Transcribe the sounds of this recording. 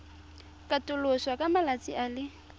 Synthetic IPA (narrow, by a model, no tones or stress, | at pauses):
kʼatʼʊlʊswakʼamalat͡sʼialɪ